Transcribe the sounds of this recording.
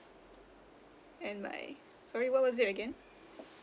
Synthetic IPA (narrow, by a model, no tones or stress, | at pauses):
ɛ̃nma̰ɪ | sɔɹiwʌt̚wʌzɨɾɨɡɛ̃n